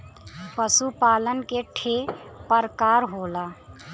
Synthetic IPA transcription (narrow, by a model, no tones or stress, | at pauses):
pəsupaːlənkeʈʰepəɾkaːɾɦoːlaː